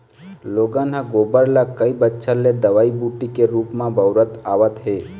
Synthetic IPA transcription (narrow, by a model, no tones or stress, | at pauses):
loːɡãnɦãɡoːbəɾlakəibətːʃʰəled̪əʋaːibuʈikeɾuːpmãbəʊɾət̪aːʋət̪ɦe